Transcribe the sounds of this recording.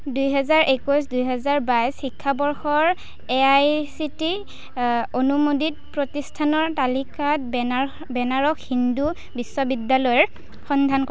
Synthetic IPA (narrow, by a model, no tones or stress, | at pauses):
dujɦɛzaɹʔekujs̬dujɦɛzaɹbajsxikʰːabɔɹxɔɹ | eajsiti | onumodit̚pɹotistʰanɔɹtalikat̚ | bɛnaɹɔkhindu | bisːɔbidalɔjɔɹ | xɔndʱankɔ